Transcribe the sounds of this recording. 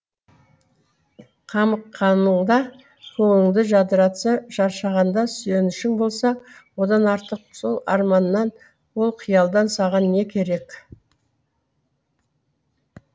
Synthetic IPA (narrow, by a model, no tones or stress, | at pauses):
qʰɑməqʰːɑnəɴd̪ɑ | kʲʰɵŋɪŋd̪ɪʒɑd̪əɾɑt̪səʒ̥ɑɾʃɑʁɑnd̪ɑsʏje̞nɪʃɪŋbo̞lˠsɑwo̞d̪ɑnɑɾt̪əq̚so̞lˠɑ̰ɾmɑnːɑn | wo̞lˠqʰijɑlˠd̪ɑnsɑʁɑnːe̞kʲʰe̞ɾe̞k